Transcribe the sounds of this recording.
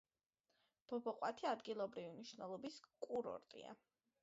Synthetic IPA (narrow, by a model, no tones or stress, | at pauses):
b̥ɔbɔqʼwat̪ʰiad̪ɡilˠɔbɾiviniʃnɛlˠɔbiskʼuɾɔ̰ɾt̪ʼḭa̰